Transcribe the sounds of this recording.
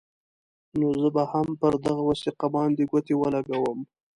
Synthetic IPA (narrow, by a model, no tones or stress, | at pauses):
nozəbahampəɾd̪aɣawɑsiqabɑnd̪eɡot̪ewəlaɡawəm